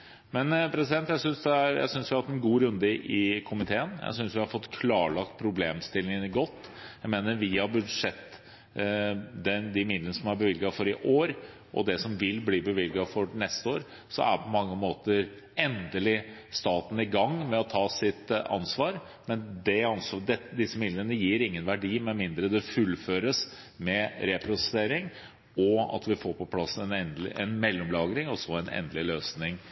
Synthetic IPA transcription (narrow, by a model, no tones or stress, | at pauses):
mɛnpʰɾɛsɪd̪ɛnt̪jæɪsʏnsd̪ɛæɾjæ̰ɪsʏnsʋɪɑt̪ɛnɡuːɾʉnd̪əʔɪkʰʊmɪt̪ʰeːənjæ̰ɪsʏnsʋɪhɑɾfɔt̪ːkʰlɑːɭɑkt̪̚pʰɾʊbleːmst̪ɪlːɪŋənɡɔt̪ːjæɪmeːnəɾʋɪhɑbʉʂɛt̪ː | d̪ɛd̪ɪmɪd̪lənəsɔmæɾbəʋɪlɡɑfɔɾɪʔoːɾ | ʔɔ̰d̪ɛsɔmʋɪlbliːbəʋɪlɡɑfɔnɛst̪əoːɾ | sɔ̰mæ̰pʰɔmɑŋːəmoːt̪əɾ | ɛnd̪əlɪst̪ɑːt̪n̩ɪɡɑŋmɛɔt̪ʰɑːsɪt̪ɑ̰nsʋɑːɾ | mɛnd̪ɛɑnsɑd̪ɛd̪ɪsːəmɪd̪lənəjiːɾɪŋːənʋæɖiːmɛnmɪnd̪ɾəd̪ɛfʉlføːɾəs | mɛɾɛpʰɾʊsəseːɾɪŋ | ɔɑ̰t̪ʋɪfoːɾpʰɔpʰlɑsɛnɛnd̪ɪʔɛ̰nmɛlːɔmlɑːɡɾɪŋɔsɔɛnɛ̰nd̪əlɪløːsnɪŋ